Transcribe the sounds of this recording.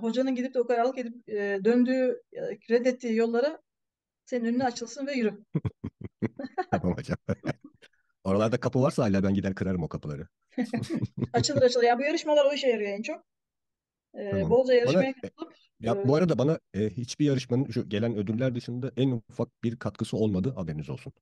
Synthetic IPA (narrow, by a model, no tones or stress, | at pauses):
ɦo̞d͡ʒanɯnɟid̪ip̪̚ɛokʰaɾaɾlˠɯked̪ip̚ːd̪ønd̪yːjkʰɾɛd̪ɛt̪ʰːiːjo̞lˠːaɾɯ | seinønynɛat͡ʃʰɯlˠsɯnvɛjyɾym | mama̰d͡ʒam | o̞ɾalˠaɾd̪akʰapɯvaɾsaaːlʲaːbænɟid̪æɾkʰɯɾaɾɯmokʰapʰɯlˠa̰ɾɯ | at͡ʃʰɯlˠɯɾat͡ʃɯlˠɯɾjabujaɾɯʃmalˠaɾo̞iʃɛjaɾɯjo̞ɛnt͡ʃʰo̞k̚ | bod͡ʒajaɾɯbʃamajaklˠɯp | jabuaɾad̪abanaɛːhit͡ʃbijaɾɯʃmanɯnʃuɟe̞lʲænø̞d̪yɾlʲæɾd̪ɯʃɯnd̪aʔænufak̚b̥iɾkʰat̪kʰɯsɯo̞lˠmad̪ɯabeɾimizo̞lˠsun